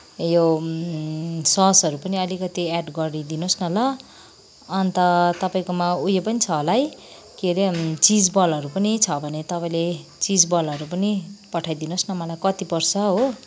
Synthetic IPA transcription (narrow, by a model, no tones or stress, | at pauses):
jo | sʌɦsʌɾupʌniʌlikʌt̪iaɖɡʌrid̪inosnʌlʌː | nt̪ʌt̪ʌpaĩkomaujepʌnit͡sʰʌolaj | keɾet͡sid͡zbʌlʌɾupʌnit͡sʰʌbʱʌnet̪ʌpaĩlet͡sid͡zbʌlʌɾupʌnipʌʈʰajd̪inosnʌmʌlajkʌt̪ipʌrsʰʌɦo